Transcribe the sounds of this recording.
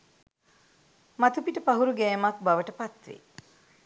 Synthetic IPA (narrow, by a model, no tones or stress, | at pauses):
mɐt̪upiʈəpɐɦuɾuɡeːmɐk̚bɐʋəʈəpɐt̪ʋḭ